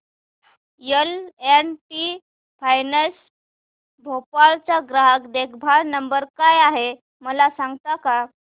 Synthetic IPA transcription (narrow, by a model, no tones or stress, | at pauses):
jəlenpi | fʰajnəs | bʱopaɭt͡ɕaɡɾaɦəkd̪ekʰbʱaɭnəmbəɾkajaɦe | məlasaŋɡt̪aka